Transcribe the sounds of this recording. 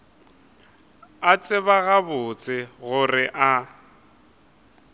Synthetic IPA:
at͡sʼɪβaɣabʊt͡sʼɪɣʊrɪʔa

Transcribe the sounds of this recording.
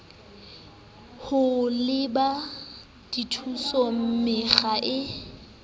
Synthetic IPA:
hʊlɪba | d̥itʰusɔm̩mɪɣaʔɪ

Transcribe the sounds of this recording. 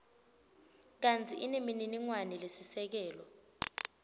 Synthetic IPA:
k̬ant͡sʰʼiʔinemininiŋwanilesisɛk̬ɛːlɔ

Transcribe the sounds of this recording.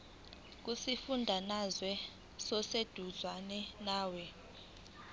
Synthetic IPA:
k̬ʼusifundʱanazwɛ | sɔsed̥ʱuzʱwanɛnaːwɛ

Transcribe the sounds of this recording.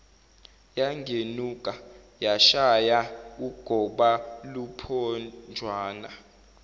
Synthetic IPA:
jaŋʱenukʼa | jaʃajauɡ̥ʱɔɓalupʰɔnd͡ʒʱwaːna

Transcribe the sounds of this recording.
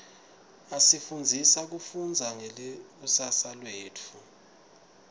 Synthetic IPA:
asifund͡zʱisak̬ufund͡zʱaŋɛlik̬usasalweːt͡fʰu

